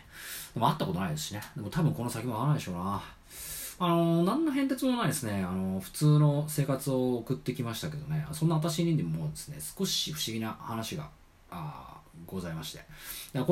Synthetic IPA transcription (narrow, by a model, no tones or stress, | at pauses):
d̪̥e̞mo̞at̪ːakot̪o̞naid̪esɨ̥ɕine̞d̪e̞mo̞t̪ʰabɯ̟ŋko̞no̞sakʲimoanaid̪eɕo̞ːna | anonãnːaɦẽnt̪e̞t͡sɨmnaid̪e̞sɨne̞ano̞ɸɯ̟̥t͡sɨːno̞se̞ːkat͡sɨo̞ːkɯ̟t̪ːe̞kʲimaɕi̥t̪ake̞d̪o̞ne̞asõ̞nːaat̪aɕ̬ĩɲʲːĩnd̪emomoːd̪e̞sɨ̥ne̞̰sɨ̥ko̞ɕiɸɯ̟ɕiɡʲinahanaɕiɡa̰ | ɡo̞zaimaɕi̥t̪e̞̥d̪ako